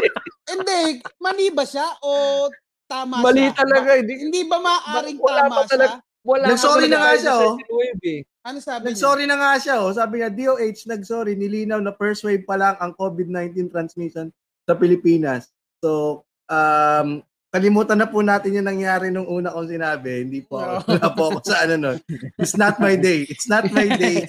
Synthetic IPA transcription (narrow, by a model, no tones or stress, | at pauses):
ʔɪnd̪ɛmɐliːbɐʃaʔo | t̪aːmɐbɐlit̪ɐlɐɡaɪd̪hɪnd̪ibɐmabɐɾɪŋwɐlamɐɐlɐ | wɐlanɐɡsoɾinɐŋaʃaʔowejbɛ | ʔɐnosaːbnɐɡsoːɾinɐŋaʃaʔosaːbɪɲad̪iːʔoʔejt͡ʃnɐɡ̚soːɾinɪliːnɐwnɐpɛɹswejb̚pɐlɐŋɐŋko̞ːbɪd̪̚najnt̪int̪ɾɐnsmiʃon | sɐpɪlɪpiːnɐsː | o̞ | ʔam | kɐlɪmuːt̪ɐnːɐpunaːt̪ɪnjʊŋnɐŋjaːɾɛnʊŋʔuːnɐkoŋsɪnaːbɛhɪnd̪iːpoʔɐkowɐlaːpoʔɐkosɐʔɐnɐnonʔɪt̪snɐt̪̚majd̪ejɪt̪snɐt̪̚majd̪ej